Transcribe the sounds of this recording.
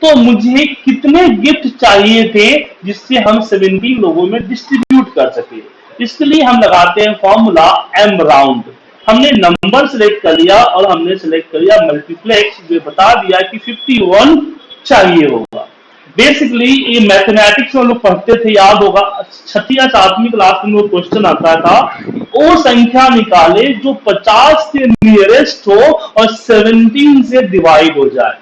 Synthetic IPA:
t̪oːmʊd͡ʒʱekɪt̪neɡɪfʈ̪t͡ʃaːɦiet̪ʰed͡ʒɪsːeɦɐmseʋɛ̃nʈiːloːɡõmẽɖɪsʈɾɪbjuːʈkɐɾsɐkẽɛ | ɪskelieɦɐmlɐɡaːt̪eɦɛ̃fɔːɾmulaɛ̃ːmbɾãːʊ̃ɳɖ | hɐmnenɐ̃mbəɾselek̚ʈ̚kɐɾlijaʔɔːɾɦɐmnesɛlek̚ʈ̚kɐɾlijamɐlʈipʰlɛːksd͡ʒoɦebɐt̪ad̪ijakifɪfʈiʋɐnt͡ʃaːɦieɦo̰ːɡa̰ː | beːsɪkliemɛːt̪ʰemɛːʈɪksmẽloːk̚pɐɽt̪et̪ʰejaːd̪ɦoːɡat͡ʃʰəʈʰːijãsaːt̪mɪklaːst̪d̪ɪ̃nokweʃt͡ʃənaːt̪ʰat̪ʰaoːsə̃ŋkʰjanɪkaːled͡ʒoːpɐt͡ʃaːsːeniəɾesʈɦoɔːɾseːʋə̃ɳʈiːnseɖɪʋaːɪɖɦod͡ʒa̰ːḛː

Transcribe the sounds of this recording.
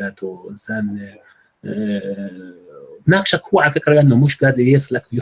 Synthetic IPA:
aːt̪uʔɪ̰nsaːn | bnaːkʃakhʊːaʕalafɪkɾlɪʔanːomʊʃɡaːd̪jeːsˤlakwjɪ

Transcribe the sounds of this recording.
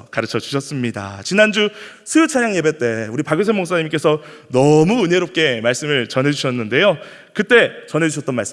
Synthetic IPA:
kaɾɯt͡ɕʰʌd͡ʑu̥ɕʰʌs͈ɯmɲida̰t͡ɕinand͡ʑu | sʰɯjut͡ɕʰaɲjaŋje̞be̞t͈e̞uɾipaɡjos̬ʰemoŋs͈aɲimk͈e̞sʰʌ | nʌmuɯɲeɾop̚k͈e̞maɭs͈ɯmɯɭt͡ɕʌnɦe̞d͡ʑuɕʰʌnːɯnde̞jo | kɯt͈e̞t͡ɕʌnɦe̞d͡ʑuɕʰʌt͈̚ʌnma̰ɭs͈ɯ

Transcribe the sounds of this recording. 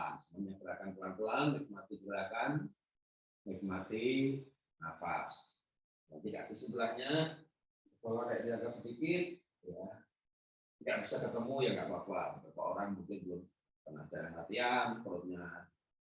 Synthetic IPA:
səmamɲakəɾakanpəlaŋpəlaŋnik̚mat̪ikəɾakan | nik̚mat̪i | nafa̰s | dant̪iɡa̰ʔkusəbəlahɲa | kalakajaʔdiaɡatsədikɪt̪̚ | ja | ɡaʔbisakət̪əmujaŋɡa̰ʔbapabapa̰oɾaŋmukɪndəlʊm | pəna̰t͡ʃaɾanɦat̪iankəɾoɲa

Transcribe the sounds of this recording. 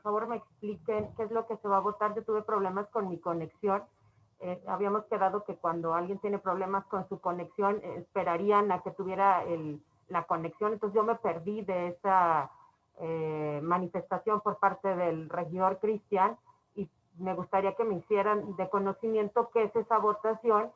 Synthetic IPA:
poɾfaβo̞ɾme̞ːksplikenke̞ezlo̞ke̞se̞βaːβo̞t̪aɾʝo̞t̪uβe̞pɾo̞β̞le̞masko̞nmiko̞ne̞ksjo̞n | ea̰βiamo̞ske̞ðaðo̞ke̞kwand̪o̞alɣje̞nt̪je̞ne̞pɾo̞β̞le̞masko̞nsuko̞ne̞ksjo̞nḛspe̞ɾaɾianake̞t̪uβjeɾaelː | ako̞ne̞ksjonent̪osezʝjomepe̞ɾðiðe̞esa | emanife̞st̪asjo̞mpoɾpaɾt̪e̞ðe̞lre̞xiðo̞ɾkɾist̪jan | i | me̞ɣust̪aɾiake̞meisje̞ɾand̪e̞ko̞no̞simje̞nt̪o̞keese̞saβo̞t̪asjo̞n

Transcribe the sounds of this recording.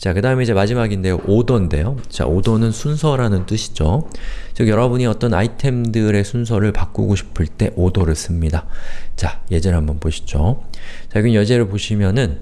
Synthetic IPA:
t͡ɕakɯdaɦɯme̞id͡ʑe̞mad͡ʑimaɡinde̞joʔodʌnde̞̰jot͡ɕa̰odʌnɯnsʰunsʰʌɾanɯnt͈ɯɕʰi̥d͡ʑot͡ɕɯɡjʌɾʌbuɲiʌt͈ʌna̰itʰe̞mdɯɾe̞sʰuns̬ʰʌɾɯɭpak͈ṵɡoɕʰi̥pʰɯɭt͈e̞ʔodoɾɯɭs͈ɯmɲidat͡ɕaje̞d͡ʑʌɭɦhambʌnpoɕʰi̥d͡ʑot͡ɕaiɡɯmjʌd͡ʑe̞ɾɯɭpoɕʰimjʌnɯn

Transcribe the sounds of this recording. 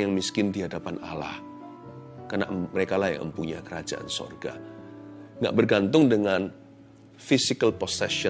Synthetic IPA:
jaŋmiskɪndiɦadapana̰la̰h | kana̰ʔməɾekalaja̰ŋə̰mpuɲakəɾad͡ʒa̰ʔa̰nso̰rɡa̰ | ŋɡa̰ʔbərɡant̪ʊŋdəŋan | fisikalposɛʃə

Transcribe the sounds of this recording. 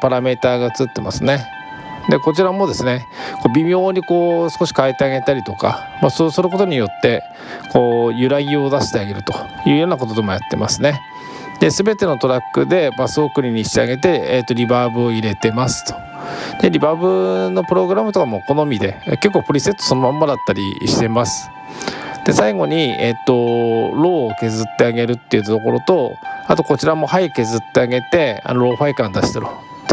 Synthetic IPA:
paɾame̞t̪aːɡaɯt͡sɨɯt̪ːe̞ma̰sɨne̞ | d̪e̞ko̞t͡ɕiɾamo̞d̪e̞sɨne̞ | ko̞ːbʲimʲjo̞ːɲ̟iko̞ːsɨ̥ko̞ɕi̥kaet̪e̞aɡe̞t̪aɾʲit̪o̞ka̰ | maso̞ːsɨɾɯ̟ko̞t̪o̞ɲ̟ijo̞t̪ːe̞ | ko̞ːjɯ̟ɾaɡʲio̞d̪aɕi̥t̪e̞aɡe̞ɾɯ̟t̪o̞̥jɯ̟ːjo̞ːnakot̪od̪e̞mo̞jat̪ːe̞̰masɨne̞ | d̪e̞sɨbe̞t̪e̞no̞t̪o̞ɾakːɯ̟d̪e̞basokɯ̟ɾʲiɲ̟iɕi̥t̪ea̰ɡe̞t̪e̞et̪ːo̞ɾʲibaːbɯ̟oiɾe̞t̪e̞masɨ̥t̪o̥ | d̪̥e̞ɾʲibaːbɯ̟no̞pɯ̟ɾo̞ɡɯ̟ɾamɯt̪o̞kamoko̞no̞mʲid̪e̞ke̞kːoːpɯ̟ɾʲise̞t̪ːoso̞nomãmːad̪at̪ːaɾʲḭɕi̥t̪e̞masɨ̥ | d̪̥e̞saiɡo̞ɲ̟iḛt̪ːo̞ɾo̞ːke̞zɨt̪ːe̞aɡe̞ɾɯ̟t̪ːe̞iɯ̟t̪ːt̪o̞ko̞ɾo̞t̪o̞at̪o̞ko̞t͡ɕiɾamo̞haike̞zɨt̪ːe̞aɡe̞t̪e̞a̰noɾo̞ːɸaikãnd̪aɕi̥t̪eɾo | t̪

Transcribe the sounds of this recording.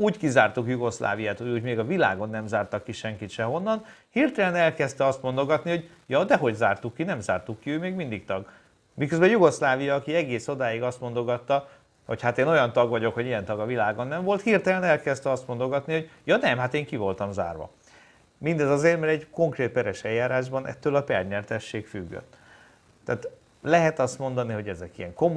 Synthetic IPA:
uːɟkizaːrt̪ukjuɡo̞sla̰ːvijaːt̪uːjuːɟmeːɡɒvila̰ːɡo̞nːɛmzaːrt̪ɒkːiʃɛŋkit̪ʃɛɦo̞nːɒnhirt̪ɛlɛnɛlkɛst̪ɛɒst̪mo̞nd̪o̞ɡɒt̪niho̞ɟ | jɒːd̪ɛɦo̞ɟzaːrt̪ukːinɛmzaːrt̪ukːiøːmeːɡmind̪ikt̪ɒɡ | mikøzbɛjuɡo̞slaːvijɒːkiɛɡeːso̞d̪aːjiɡɒst̪mo̞nd̪o̞ɡɒt̪ːɒ | ho̞̰chat̪eːno̞jɒnt̪ɒɡvɒɟo̞kho̞ɟijɛnt̪ɒɡɒvilaːɡonːɛɱvo̞lt̪hirt̪ɛlɛnɛlkɛzt̪ɛɒst̪mo̞nd̪o̞ɡɒt̪niho̞ɟjɒnɛmhat̪eːŋkivo̞lt̪ɒmza̰ːrʋɒ̰ | mind̪ɛzɒzeːrmɛɾɛɟko̞ŋkreːt̪̚pɛɾɛʃɛjːaːɾaːʒbɒnʔɛ̰t̪ːøːlɒpɛrɲɛrt̪ɛʃːeːkfyɡːø̰t̪ː | aːt̪ | lɛɦɛt̪ɒst̪mo̞nd̪ɒniɦo̞ɟɛzɛkḭjɛ̰ŋko̞m

